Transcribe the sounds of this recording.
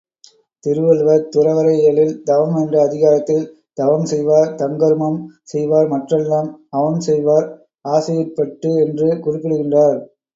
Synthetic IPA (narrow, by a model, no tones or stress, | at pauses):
t̪ɪɾɯʋɐlʋɐɾt̪ʊrɐʋɐɾɐjɐɭɪld̪ɐʋɐmɛndrɐːðɪɣaːɾɐt̪ːɪl | d̪̥ɐʋɐmsɛjʋaːɾt̪ɐŋɡɐɾɯmɐmsɛjʋaːɾmɐʈrɐlːaːmɐʋɐmsɛjʋaːɾ | aːsɐjɐpːɐʈːɯɛndrɯkʊrɪpːɪɽɯɣɪndraːɾ